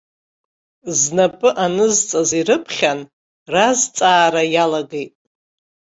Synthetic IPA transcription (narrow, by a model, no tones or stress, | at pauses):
znapʼɨʔanɨzt͡sʼaziɾɨpʰχʲan | razt͡sʼaːɾajalaɡejtʼ